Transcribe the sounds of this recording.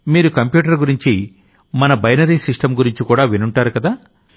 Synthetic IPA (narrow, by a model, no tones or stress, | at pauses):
miːɾukɐmpjuːʈ̬ɐɾɡuɾiɲt͡ʃi | mɐnɐbɐjnɐɾiːsiʂʈɐmɡuɾiɲt͡ʃikuːɽaːʋinuɳʈaːɾukɐd̪aː